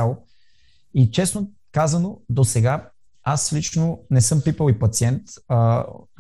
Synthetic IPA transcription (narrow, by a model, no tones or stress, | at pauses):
alˠo | it͡ʃɛsno | kazɐnod̪osɛɡa | aslit͡ʃnonɛsɤmpipəlipɐt̪siɛnt̪ə